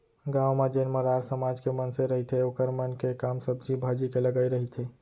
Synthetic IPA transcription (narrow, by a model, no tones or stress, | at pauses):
ɡaːwmad͡ʒeːnməɾaːɾsəmaːd͡ʒkemənseɾəɦit̪ʰeokəɾmənkekaːmsəbd͡ʒibʱaːd͡ʒikeləɡəiɾəɦit̪ʰe